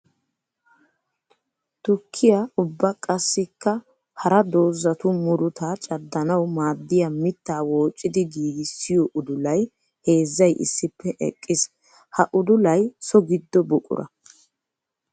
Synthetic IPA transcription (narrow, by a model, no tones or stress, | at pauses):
t̪ʊkʰːɪjaʊbːɐkʼɐsːɪkːɐ | hɐɾɐd̪o̞ːzːɐt̪ʊmʊɾʊt̪aːt͡ʃʼɐd̪ːɐnɐwmaːd̪ːɪjamɪt̪ːaːwo̞ːt͡ʃʼːɪd̪ɪɡiːɡɪsːɪjɔʔʊd̪ʊlɐj | he̞ːzːɐjʔɪ̰sːɪpːɛʔɛ̰kʼːɪs | hɐʔʊd̪ʊlɐjsɔɡɪd̪ːɔbʊkʼʊ̰ɾʔɐ̰